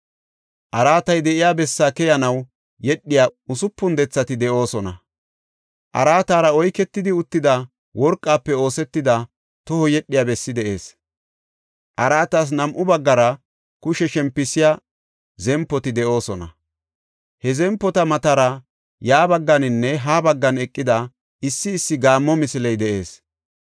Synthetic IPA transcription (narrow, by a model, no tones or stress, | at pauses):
ʔɐɾaːt̪ɐjd̪ɛʔɪjaːbɛsːaːkɛjɐnɐw | jɛɗːɪjaʊsʊpːʊnd̪ɛt͡sːɐt̪ɪd̪ɛʔo̞ːsɔnɐ | ʔɐ̰ɾaːt̪aːɾɐɔjkɛt̪ːɪd̪ɪʊt̪ːɪd̪ɐ | wɔɾkʼːaːpːɛo̞ːsɛt̪ːɪd̪ɐ | t̪ɔhɔjɛɗːɪjaːbɛsːɪd̪ɛʔe̞̰ːs | ʔɐɾaːt̪aːs̬nɐmʔʊbɐɡːɐɾɐ | kʊʃɛʃɛmpːɪsɪja | zɛmpːɔt̪ɪd̪ɛʔo̞ːsɔnɐ̰ | hɛzɛmpːɔt̪ɐmɐt̪aɾɐ | jaːbɐɡːɐnɪnːɛɦaːbɐɡːɐnɛkʼːɪd̪ɐ | ɪsːɪːsːɪɡaːmːɔmɪsɪlɛjd̪ɛʔe̞ːs